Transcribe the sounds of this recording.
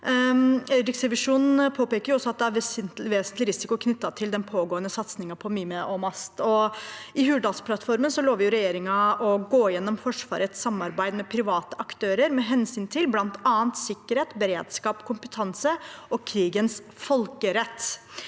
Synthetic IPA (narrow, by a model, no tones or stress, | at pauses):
ɛɾɪksɛʋɪʂuːnpʰoːpeːkəɾjʊɔsːɔɑt̪̚d̪ɛæɾʋ̪ʋeːsənt̪lɪɾɪsɪkʊkʰnʏt̪ːɑt̪ʰɪld̪ɛnpʰoːɡoːənəsɑt̪snɪŋɑpʰɔmyːəmɛʔɔmɑst̪ɔɪhʉːɖ̪ɑːlspʰlɑt̪fɔɾmənsɔloːʋɪjʊɾɛjeːɾɪŋɑɔɡoːjɛnːɔmfɔʂʋɑ̰ːɾət̪sɑmːɑɾbæɪd̪mɛpʰɾɪʋɑːt̪əʔɑkt̪ʰøːɾəɾmɛɦɛnsyːnt̪ʰɪlblɑnt̪ʰɑːənt̪sɪkːəɾheːt̪bəɾeːd̪skɑːpkʰʊmpət̪ʰɑnsəɔkʰɾiːɡənsfɔlkəɾɛt̪ː